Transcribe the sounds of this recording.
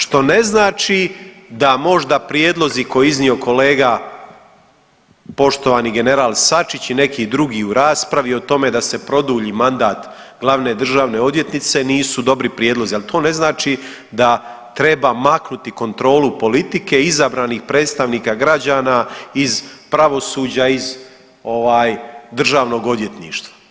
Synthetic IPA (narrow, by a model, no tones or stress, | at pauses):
ʃt̪o̞ne̞znaːt͡ʃid̪amo̞ʒd̪apɾjeːd̪lˠo̞ziko̞jeiznio̞ko̞le̞ːɡa | po̞ʃt̪o̞ʋaːniɡe̞ne̞ɾaːlˠsat͡ʃit͡ɕine̞kid̪ɾuɡiuɾaːspɾaʋio̞t̪o̞me̞d̪ase̞pɾo̞d̪uːʎiːmand̪aːt̪ | ɡlˠaʋne̞d̪r̩ʒaːʋne̞o̞d̪ʋje̞t̪nit̪se̞niːsud̪o̞bɾipɾjeːd̪lˠozialit̪ʰo̞ːne̞znaːt͡ʃi | d̪a | t̪ɾe̞bamaknut̪iko̞nt̪ɾo̞ːlupo̞lit̪ike̞izabɾaːnixpɾe̞t̪st̪aʋniːkaɡɾad͡ʑaːnaizpɾaʋo̞suːd͡ʑaiz | o̞ʋaːjd̪r̩ʒaːʋno̞ɡo̞d̪je̞t̪nḭːʃt̪ʋḁ